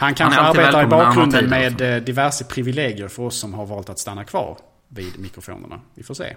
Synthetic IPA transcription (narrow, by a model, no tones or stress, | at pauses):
hankʰanʂəaɾbeːt̪aɾɪbɑːkːɾɵnd̪ənmeːd̪d̪ɪvæʂəpʰɾɪvɪleːɡɪəɾfœɾɔsːɔmɦaɾvɑːlt̪at̪st̪anːakʰvɑ̰ːɾ | viːd̪mɪkɾʊfṵːnə̰ɳa̰vɪfoːʂḛː